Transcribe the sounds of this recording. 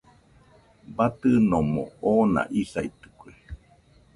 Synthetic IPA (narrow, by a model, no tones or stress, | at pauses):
bat̪ɨnomõ̰oːna̰ʔisait̪ɨ̥kue